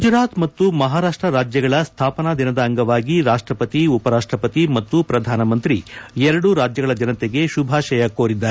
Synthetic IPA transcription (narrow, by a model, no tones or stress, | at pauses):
ɡud͡ʒɾaːt̪mɐt̪ːumɐɦaːɾaːʂʈɾɐɾaːd͡ʒjɐɡɐɭɐst̪ʰaːpɐnad̪inɐd̪ɐːŋɡɐʋaːɡiɾaːʂʈɾɐpɐt̪iupɐɾaːʂʈɾɐpɐt̪imɐt̪ːupɾɐd̪ʱaːnɐmɐnt̪ɾiɛɾɐɽuɾaːd͡ʒjɐɡɐɭɐd͡ʒɐnɐt̪eɡe̞ʃubʱaːʃɐjɐkoːɾid̪ːaː